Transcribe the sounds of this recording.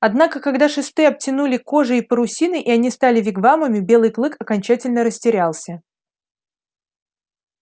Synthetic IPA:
ɐd̪nakəkɐɡd̪aʂɨst̪ɨjɐb̚tʲɪnulʲɪko̞ʐɨːpəɾʊsʲinɨʔɪɐnʲist̪alʲɪvʲɪɡvaməmʲɪbʲe̞lˠɨjklˠɨkɐkɐnʲt͡ɕætʲɪlʲnəɾəsʲtʲɪɾʲalˠsʲə

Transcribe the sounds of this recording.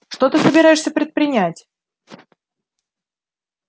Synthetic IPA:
ʂt̪ot̪ɨsəbʲɪɾajɪʂsʲəpɾʲɪt̪̚pɾʲɪnʲætʲ

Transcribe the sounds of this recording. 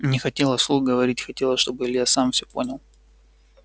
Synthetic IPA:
nʲɪxɐtʲe̞lˠəslˠuɡəvɐɾʲitʲxɐtʲe̞lˠəʂt̪o̞bɨɪlʲjasamfsʲɵponʲɪlˠ

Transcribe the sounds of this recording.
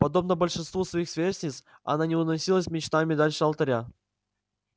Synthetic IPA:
pɐd̪o̞bnəbəlʲʂɨnst̪vusvɐixsvʲesʲnʲɪt̪s | ɐ̰nanʲɪʊnɐsʲilˠəsʲmʲɪt͡ɕt̪amʲɪd̪alʲʂɨɐlˠt̪ɐɾʲa

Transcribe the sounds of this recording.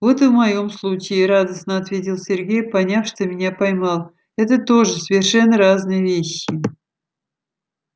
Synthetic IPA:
vo̞t̪ɨvmɐjo̞mslˠut͡ɕɪɾad̪əsnəɐt̪vʲetʲɪlˠsʲɪrɡʲejpɐnʲafʂt̪omʲɪnʲapɐjmɑlˠ | ɛt̪ət̪o̞ʐɨsəvʲɪrʂɛnːəɾaznɨjəvʲeɕːɪ

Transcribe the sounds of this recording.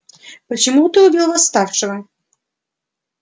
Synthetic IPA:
pət͡ɕɪmut̪ɨʊbʲilˠvast̪afʂɨvɐ

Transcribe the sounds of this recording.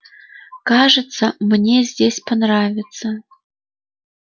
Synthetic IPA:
kaʐɨt̪sɐmnʲezʲdʲesʲpɐnravʲɪt̪sə

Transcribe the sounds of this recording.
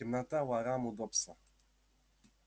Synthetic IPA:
imnat̪awaɾamud̪ɔpsa

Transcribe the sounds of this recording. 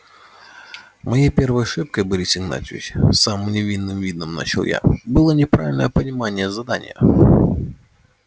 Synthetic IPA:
mɐjajpʲervəjɐʂɨp̚kəjbɨɾʲisʲɪɡna̰t̪ʲɪvʲɪ̰ɕsamɨmnʲɪvʲinːɨmvʲid̪nəmna̰t͡ɕɪlˠja̰bɨlˠənʲɪpɾavʲɪlʲnə̰jəpənʲɪmanʲɪjəzɐd̪anʲɪ̰jə̰

